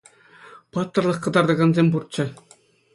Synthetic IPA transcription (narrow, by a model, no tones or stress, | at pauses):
pɑt̪ːɤ̆rlˠɤ̆χkɤ̆d̪ɑrd̪ɤ̆ɡɑnzʲemʲpurt̪̚t͡ɕɘ̆